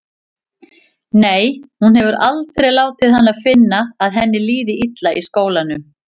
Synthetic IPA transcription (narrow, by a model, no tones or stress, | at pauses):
neːjhunhɛvʏɾalt̪ɾejlaːwt̪ɪðhanːaðfɪnːaːðɦɛnːɪliːðɪʔit̪laʔiskoːwlanʏ